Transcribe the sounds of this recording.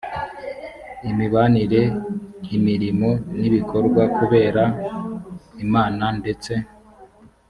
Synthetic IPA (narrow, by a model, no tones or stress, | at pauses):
imiβaniɾe̞nimiɾimo̞niβiko̞ɾɡwakuβe̞ːɾa | imaːnande̞t͡se̞